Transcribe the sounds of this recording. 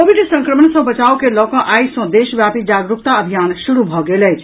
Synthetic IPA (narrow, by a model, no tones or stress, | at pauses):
koːʋiɖsə̃ŋkɾəmənsə̃bət͡ʃaːokelɔːkãʔaːisɔ̃d̪eːʃəʋjaːpid͡ʒaːɡɾukt̪aəbʱijaːnʃuɾubʱɔɡeːləd͡ʒʰ